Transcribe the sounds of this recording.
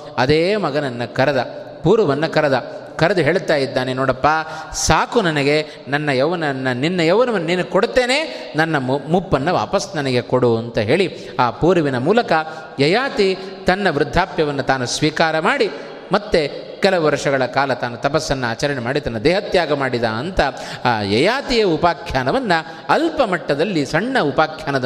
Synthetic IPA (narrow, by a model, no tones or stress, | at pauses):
ɐd̪eːmɐɡɐnɐnːɐkɐɾɐd̪ɐ | puːɾɐʋɐnːɐkɐɾɐd̪ɐkɐɾɐd̪uɦeːɭt̪aːjid̪ːaːnenɔːɽɐpːaːsaːkunɐnɐɡe̞ | nɐnːɐjɐʋɐnɐnːɐninːɐjɐʋɐnɐʋɐnːɐniːnɐkoɽt̪eːne̞ːnɐnːɐmupːɐnːɐʋa̰ːpɐsnɐnɐɡe̞koɽuɐnt̪ɐɦe̞ːɭi | aːpuːɾɐʋinɐmuːlɐkɐ | jɐjaːt̪i | t̪ɐnːɐʋɾɪd̪ʱːaːpjɐʋɐnːut̪aːnusʋiːkaːɾɐmaːɽi | mɐt̪ːe | kɛlɐʋɐɾʂɐɡɐɭɐkaːlɐt̪aːnut̪ɐpɐsːɐnːɐaːt͡ʃɐɾɐɳemaːɽit̪ɐnːɐd̪ɛːɦɐt̪jaːɡɐmaːɽid̪a̰ːɐnt̪ɐː | jɐjaːt̪ijɐupaːkʰjaːnɐʋɐnːɐ | ɐlpɐmɐʈːɐd̪ɐlːisɐɳːɐupaːkʰjaːnɐ